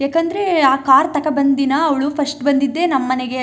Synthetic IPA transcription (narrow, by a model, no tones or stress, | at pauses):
jaːkɐnd̪ɐɾeaːkaːɾt̪ɐkɐbɐnd̪inɐːʋɐɭupʰɐsʈbɐnd̪id̪ːe̞ːnɐmːɐneɡe